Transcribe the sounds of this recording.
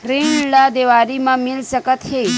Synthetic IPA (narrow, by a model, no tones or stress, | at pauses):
kɾiɳlad̪eʋaɾimãmilʃəkət̪he